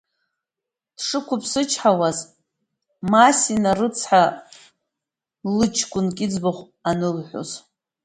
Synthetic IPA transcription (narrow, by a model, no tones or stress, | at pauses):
d̥ʂɨkʷʊpʰsɨt͡ʃʰħawaz | masinarɨt͡sʰħa | lɨt͡ʃʰkʷʼʊnkʲʼɪd͡zbaχʷ | anɨlħʷo̰z